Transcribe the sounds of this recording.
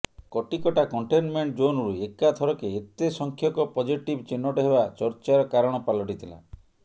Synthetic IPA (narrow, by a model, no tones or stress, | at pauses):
kɔʈikɔʈakɔɳʈenmeɳʈ̚d͡ʒonɾuekat̪ʰɔɾɔkeːt̪esɔŋkʰjɔkɔpɔd͡ʒiʈibt͡ʃinːɔʈaɦebat͡ʃɔɾt͡ʃaɾɔkaɾɔɽ̃ɔpalɔʈit̪ʰila̰